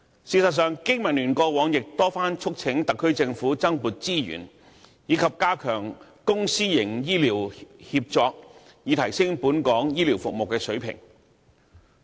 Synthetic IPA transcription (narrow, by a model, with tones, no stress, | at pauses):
siː˨˧sɐ˨t̚sœː˨˧ŋkɪ˥ŋmɐ˨˩nlyː˨˩nkɔː˧wɔː˨˥ŋjɪ˨k̚t̪ɔː˥faː˥nt͡ʃʰʊ˥k̚t͡sʰɪ˨˥ŋt̪ɐ˨kʰːɵ˥ɥt͡sɪ˧ŋfuː˨˥t͡sɐ˥ŋpuː˨t̚t͡siː˥jy̰˨˩n | jiː˨˧kʰɐ˨p̚kaː˥kʰœː˨˩ŋkʊ˥ŋsiː˥jɪ˨˩ŋjiː˥liː˨˩whiː˧p̚t͡sɔː˧k̚ | jiː˨˧t̪ʰɐ˨˩jsɪ˥ŋpuː˨˥nkɔː˨˥ŋjiː˥li˨˩wfʊ˨k̚mo˨wkːɛː˧sɵ˨˥ɥpʰɪ̰˨˩ŋ